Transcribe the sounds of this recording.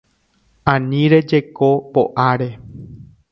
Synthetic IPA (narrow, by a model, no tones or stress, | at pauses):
ãnĩɾe̞d͡ʒe̞ko̞poʔaɾe̞